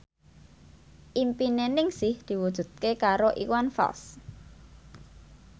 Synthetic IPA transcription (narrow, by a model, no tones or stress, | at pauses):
ʔimpinenɪŋsɪhd̪̥i̤wud̥ʒ̥ṳt̪̚kekaɾoʔiwanfa̰ls